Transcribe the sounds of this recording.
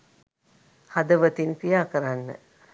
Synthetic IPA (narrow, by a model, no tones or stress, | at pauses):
had̪ɐʋɐt̪inkijaːkɐɾanːə̰